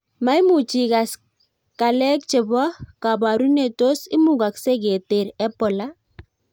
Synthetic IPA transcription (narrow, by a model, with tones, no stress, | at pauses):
ma˦i˦mu˨t͡ʃi˨ka˨s | ka˨lɛ˦k̚t͡ʃɪ˨bɔ˦ka˨ba˨ɾu˦ne˦˨to˦sɪ˦mu˦ɡa˨kse˦ɡe˨te˨ɾɛ˦pɔ˨la˦